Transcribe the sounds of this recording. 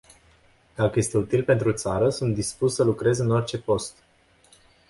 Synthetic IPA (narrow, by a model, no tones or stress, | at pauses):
d̪̥akəje̞st̪e̞ut̪ilpe̞nt̪ɾut̪saɾəsunt̪̚d̪ispussəlukɾe̞zɨno̞rt͡ʃe̞po̞st̪